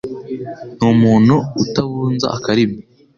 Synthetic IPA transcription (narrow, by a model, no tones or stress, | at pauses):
numuːn̤̥huutaβuːnza̰ʔakaɾimi